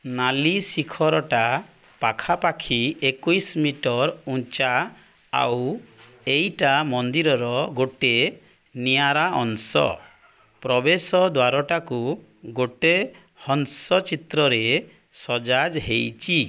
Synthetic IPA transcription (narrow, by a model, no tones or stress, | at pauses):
nalisikʰɔɾɔʈa | pakʰapakʰiekujsmiʈɔɾũt͡ʃa | a̰w | ejʈamɔnd̪iɾɔɾɔɡoʈe | niaɾaʔɔ̰nsɔ̰ | pɾɔbesɔd̪waɾɔʈaku | ɡoʈe | hɔnsɔt͡ʃit̪ɾɔɾe | sɔd͡ʒad͡ʒɦejt͡ʃʰi